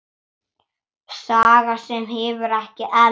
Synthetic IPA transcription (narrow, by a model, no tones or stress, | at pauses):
saːɣasɛmɦɛːvʏɾɛhcɪʔɛ